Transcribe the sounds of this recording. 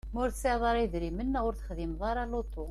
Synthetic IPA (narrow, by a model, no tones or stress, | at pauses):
mʊɾseʕðˤɑɾiðɾimənːæʊɾθə̥χðimðˤɑɾˤɑlot̪ˤːo